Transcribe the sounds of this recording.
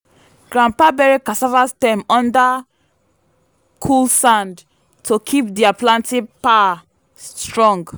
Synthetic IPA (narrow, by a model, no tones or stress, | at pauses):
ɡ̥ɹãmpabɛɹikasavastɛ̃mɔ̃nda | kʰulsãnd | tʰokʰip̚diaplãntĩpa | stɹɔ̃ŋɡ